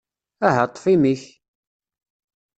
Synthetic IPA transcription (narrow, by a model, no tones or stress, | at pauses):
æɦət̪ˤːfimiç